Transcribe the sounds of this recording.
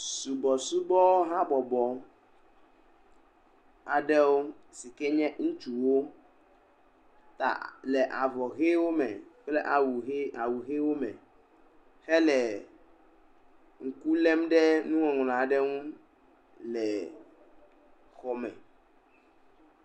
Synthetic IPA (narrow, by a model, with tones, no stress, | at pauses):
su˨bɔ˨su˦bɔ˦ɦã˦bɔ˨bɔ˨ | a˨ɖɛ˦wo˦ | si˨kɛ˦ɲɛ̃˦ŋũ˦t͡ʃu˨wo˦ | t̪a̰˨lɛ˨ʔa˨vɔ˨ɣe˦wo˦mɛ̰˨k͡plɛ˦ʔa˨wu˨˦a˨wu˨ɣe˦wo˦mɛ̰˨ | xɛ˦lɛ˨ | ŋ̩˨ku˦lɛ˦mɖɛ˦nũ˦ŋɔ̃˨ŋ˨lã˨ɖɛ˦ŋũ˦ | lɛ˨ | xɔ˨mɛ̰̃˨